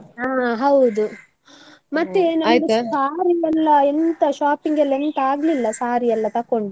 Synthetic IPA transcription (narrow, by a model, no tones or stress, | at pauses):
aːɦɐwd̪u | mɐt̪ːenɐmːjtɡusaːɾiɛlːɐent̪ɐʃaːpiŋɡɛlːɐent̪aːɡlilːɐsaːɾiɛlːɐt̪ɐkoɳɖu